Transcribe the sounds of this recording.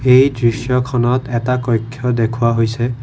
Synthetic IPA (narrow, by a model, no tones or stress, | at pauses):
ejdɹisjɔkʰɔnɔtɛtakɔjkʰːjɔdekʰʊwaɦojsɛ